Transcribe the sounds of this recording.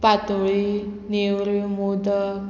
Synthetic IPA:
pat̪oɭinewɾimod̪ə

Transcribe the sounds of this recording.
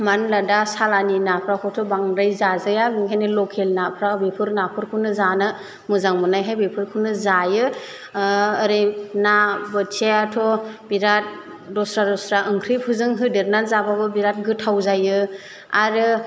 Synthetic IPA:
manladasalaninapʰɾakʰɔtʰɔbaŋɾajzazajabiŋɦajnɯlɔkʰelnapʰɾabepʰɯɾnapʰɯɾkʰɯnɯzanɯ | mɯzaŋmɯnajɦajbepʰɯɾkʰɯnɯzajɯ | ɾejnabɯt͡ʃʰajatʰɔbiɾat̚ | ɾɔsɾaɾɔsɾaʔɯŋkʰɾipʰɯzɯŋɦɯdeɾnanzababɯbiɾat̚ɡɯtʰawzajɯ | aɾɯ

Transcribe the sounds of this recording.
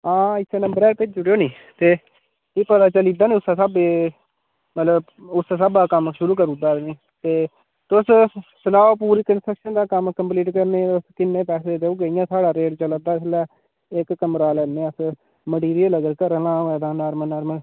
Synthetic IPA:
ãːɪsʰeːnəmbəɾɛːɾpet͡ʃd͡ʒʊɽjoːnĩː | t̪eː | iːpət̪aːt͡ʃəliːd̪aːniːʊsaːsaːbeː | mət̪ləb | ʊsaːsaːbaːkəmʃʊɾuːk̬əɾuːd̪aːniː | t̪eː | t̪ʊssənaːoːpuːɾiːkənsʈɾəkʃənd̪aːkəmkəmpliːʈkəɾneːʊskɪnːẽːpɛːseːt̪euːɡəijãːsʰaːɽaːɾeːʈt͡ʃələd̪aːɪslɛː | ɪkːəmɾaːlɛːnːeːəs | məɽiːɾieləɡəɾkəɾəlãːɛːd̪aːnaːɾmənaːɾməl

